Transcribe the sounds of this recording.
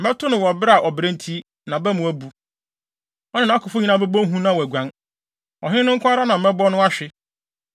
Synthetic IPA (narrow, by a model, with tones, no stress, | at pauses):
m̩˨ɛ˦tʰʊ˦nɪ̃˨wɔ˨bɪ˦ɾa˨ʔɔ˨bɾẽ˦n˦tʰi˦ | nã˨bɛ˦mʊ̃˨æ˨bu˦ | ɔ˦nɪ̃˦nã˨˦a˦kʰʊ˨fʊ˦ɲĩ˨˦nã˦bɛ˦bɔ̃˦ŋ˦ɦũ˦nã˦wɔ˨æ˨ɡʷã˨n | ɔ̰˨ɦɪ̃˦nʊ̃˦ŋ̩˦kʰʷã˦a˦ɾa˦nã˨m̩˨mɛ˦bɔ˦nʊ̃˦a˦ɕᶣɪ˦